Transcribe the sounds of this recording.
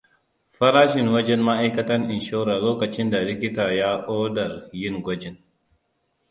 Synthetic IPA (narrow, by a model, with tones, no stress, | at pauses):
fɐ˦ɾaː˦ʃɪ˨nwɐ˦d͡ʒɛ˦nma˦ʔa˦jkɐ˦tɐ˦nʔɪ˨nʃoː˦ɾa˨loː˦kɐ˨t͡ʃɪ˦nda˨lɪ˦kʲɪ˦taː˨ja˦ʔoː˦dɐ˨ɾjɪ˦ŋɡʷɐ˦d͡ʒɪ˦n